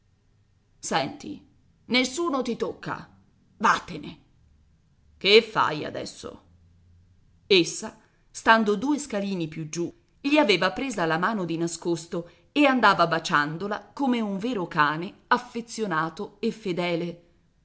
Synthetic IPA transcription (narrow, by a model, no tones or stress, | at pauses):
sɛnt̪ḭ | nesːuːnot̪it̪okʰːa̰ | vat̪ːene | kefːa̰ja̰d̪ɛ̰sːo̰ | esːa | st̪and̪od̪uːeskaliːnipjud͡ʒu | ʎiaveːvapɾeːzalamaːnod̪inaskost̪o | eand̪aːvabat͡ʃand̪ola̰komeuɱveːɾokaːneafːet̪sːjonaːt̪oefːed̪ɛːle